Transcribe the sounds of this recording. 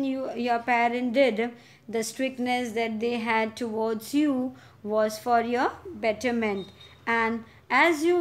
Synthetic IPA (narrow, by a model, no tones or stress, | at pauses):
njəɾpɛɾə̃nʈɖɪɖ | d̪əsʈɾɪk̚ʈnesd̪æʈ̚d̪eːɦæɖ̚ʈʰuʋɔːɾɖsju | ʋɔːzfɔɾjəbɛʈəmɛ̃ntæ̃n | æzju